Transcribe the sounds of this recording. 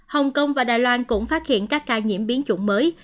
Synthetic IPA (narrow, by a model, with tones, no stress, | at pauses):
hə˨˩wŋ͡mkə˧wŋ͡mvaː˨˩ɗa̰ː˧˨jlwaː˧nkʊ̰˧˥ŋ͡mfaː˦˥t̚hḭ˧˨ənkaː˦˥kːaː˧ɲḭ˧˩əmɓi˨˦ənt͡ɕʊ̰˧˩ŋ͡mməː˨˦j